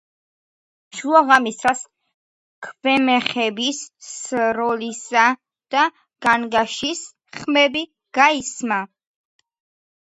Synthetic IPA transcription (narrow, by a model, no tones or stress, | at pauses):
ʃuaʁamist̪ɾas | kʰv̥ɛmɛχɛbis | ɾɔlisa | d̪̥a | ɡ̥anɡaʃis | χmɛbi | ɡ̥aisma